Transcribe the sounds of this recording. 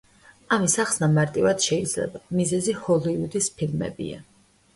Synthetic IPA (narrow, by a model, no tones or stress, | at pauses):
amisaχsnamaɾt̪ʼivad̪̥ʃɛid̪z̥lɛ̰bamizɛzihɔlˠiud̪ispʰilmɛ̰bḭa̰